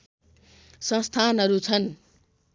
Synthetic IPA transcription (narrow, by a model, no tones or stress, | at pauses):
sʌ̃st̪ʰanɦʌɾut͡sʰʌn